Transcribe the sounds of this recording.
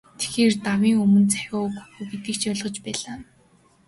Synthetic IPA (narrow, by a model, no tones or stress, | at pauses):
t̪ʰe̥xeːrt̪awiːŋɵmɵ̆nt͡sæ̥xʲʊːkxuɣĭt̪ɘ̆kt͡ɕʰœːɮʁɞ̆t͡ɕpæːɮaː